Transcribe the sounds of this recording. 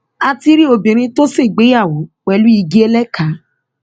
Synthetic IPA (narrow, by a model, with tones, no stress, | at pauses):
a˧ti˧ɾi˦o˧˨bĩ˨ɾ̃ĩ˧to˦se˦˨ɡ͡be˨˦ja˦˨wo˨˦k͡pɛ˧lu˨˦i˧ɡi˦e˦lɛ˦kʰa˨˦